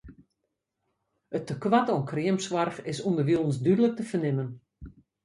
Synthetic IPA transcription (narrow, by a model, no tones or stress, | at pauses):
ətːəkwatɔənkriəmsʋarxɪsundərʋilˠnsdydələk̚təfərnɪmən